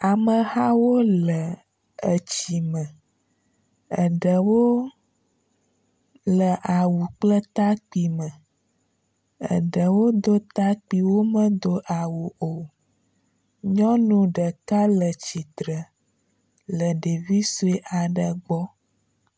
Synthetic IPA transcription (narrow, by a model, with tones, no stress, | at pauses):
a˨mə̃˨ha˦wo˦lə˨ | ə˨t͡ɕi˨mə̃˨ | ə˨ɖə˨wo˦ | lə˨ʔa˨wu˨k͡plə˦t̪a˦k͡pi˨mə̃˨ | ə̰˨ɖə˨wo˦d̪o˦t̪a˦k͡pi˨wo˦mə̃˦d̪o˦ʔa˨wu˨o˨ | ɲɔ̃˦nũ˨ɖə˨ka˦lə˨t͡ɕi˨t̪ɾə˨ | lə˨ɖe˨vi˦su˦e˦ʔa˨ɖə˨ɡ͡bɔ˦